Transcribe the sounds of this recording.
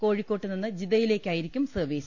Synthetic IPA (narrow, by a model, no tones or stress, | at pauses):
ko̞ːɻikʲːo̞ːʈːɨninːɨd͡ʑiðɐjile̞ːkʲːaːjiɾikʲːumsɨːʋeːsɐ̥